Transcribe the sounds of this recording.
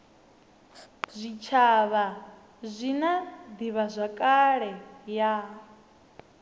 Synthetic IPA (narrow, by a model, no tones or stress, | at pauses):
zʷit͡ʃʰaβa | zʷinad̪iβazʷakʼaɺɛja